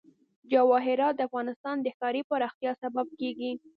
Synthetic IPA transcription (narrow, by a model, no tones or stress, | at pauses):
d͡ʒawɑɦɪɾɑt̪̚d̪əafɣɑnɪst̪ɑnd̪əxkɑɾipəɾɑxt̪jɑsabab̚keɡi